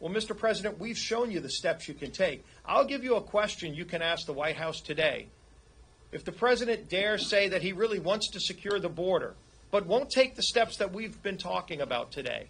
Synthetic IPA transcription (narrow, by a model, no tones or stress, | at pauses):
wɛlˠmɪstə˞pʰɹ̥ɛzɨɾɨ̃nʔwiv̥ʃõʊ̃njɨðɨstɛpsjɨkʰɨ̃ntʰeɪk̚ | ʔa̰ɪlˠɡɪvjɨəkʰw̥ɛst͡ʃɨ̃njɨkʰɨ̃ñæsk̚ðəwaɪt̚ɦaʊstʰɨdeɪ | ɨfðɨpʰɹ̥ɛzɨɾɨ̃nd̥ɛɹseɪðɨt̚hiɹɪlˠiwɑ̃ntstʰɨsɨkʰj̥ʊɹðəbɔɹɾə̰˞ | b̥ʌt̚wõʊ̃ntʰeɪk̚ðɨstɛpsðɨt̚wivbɨ̃ntʰɔ̰kɪ̃ŋɨbaʊtʰɨdḛɪ